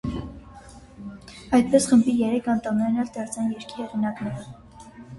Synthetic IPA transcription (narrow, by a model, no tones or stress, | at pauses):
ɑjt̪̚pɛsχəmbijɛɾɛkʰɑnt̪ɑmɛɾnɑld̪ɑɾt͡sʰɑnjɛɾkʰihɛʁinɑknɛɾə